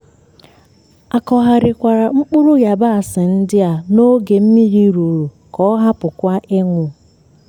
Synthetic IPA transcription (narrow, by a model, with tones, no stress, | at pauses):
a˨kɔ˨ɦa˨ɾɪ˨kʷa˨ɾa˨ŋ͡m̩˦k͡pʊ˦ɾʊ˦ja˨ba˦a˨sɪ˨n̩˦dɪ˦a˨no˦ɡe˨m̩˦mi˦ɾi˦ɾu˨ɾu˨ | kɔ˦ɦa˦pʊ˨kʷa˦ʔe˦ŋʷʊ˨